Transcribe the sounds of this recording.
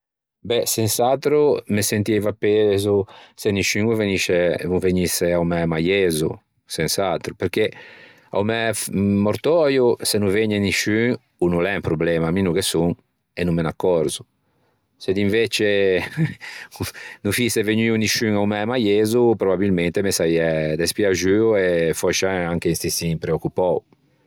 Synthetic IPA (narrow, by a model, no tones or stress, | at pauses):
bɛsensat̪ɾumesent̪ivapːezuseniʃyŋuveniʃeuveɲiseawmɛmajezu | sensat̪ɾupeɾke | a̰wmɛːoɾt̪ɔjusenuveɲeniʃyŋ | unulɛmpɾublɛmaminukesuŋ | enumːenakːɔɾzu | sed̪iɱvet͡ʃe | nufiseveɲiuniʃyŋawmɛmajezupɾobabilment̪emesajɛd̪espjaʒyuefɔt͡ʃaaŋkeinst̪isiŋpɾeokːupɔw